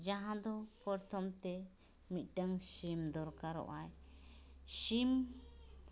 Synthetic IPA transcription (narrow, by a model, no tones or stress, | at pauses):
d͡ʒãɦãd̪ɔpɔɾt̪ʰɔmt̪ɛ | mit̪̚ˀʈaŋʃimd̪ɔɾkaɾɔ̰ʔaj | ʃim